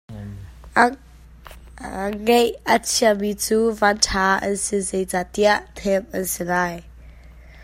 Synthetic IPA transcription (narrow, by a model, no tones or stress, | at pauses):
ŋejət͡sʰiəmit͡suːvantʰaːʔɐ̰nsɪzejzaːt̪iaʔt̪ʰɛmʔɐnsɪlaːj